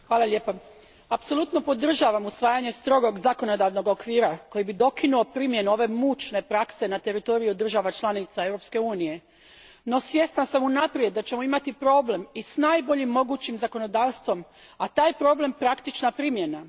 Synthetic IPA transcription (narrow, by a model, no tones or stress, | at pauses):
xʋaːlˠalʎe̞pa | apso̞lˠut̪no̞po̞d̪r̩ʒaːʋamusʋaːjaɲe̞st̪ɾo̞ɡo̞ɡzako̞no̞d̪aʋno̞ɡo̞kʋiːɾako̞jibid̪o̞kinuo̞pɾimje̞nuo̞ʋe̞mut͡ʃne̞pɾakse̞nat̪e̞ɾit̪o̞ɾijud̪r̩ʒaʋat͡ʃlanit̪sae̞wɾo̞pske̞uːnije̞ | no̞sʋje̞st̪nasamunapɾie̞d̪̚d̪ːat͡ɕemoimat̪ipɾo̞ble̞misnaːjbo̞ʎimːo̞ɡuːt͡ɕimzako̞no̞d̪aːʋst̪ʋo̞m | at̪aːjpɾo̞ble̞mpɾakt̪it͡ʃnapɾimje̞na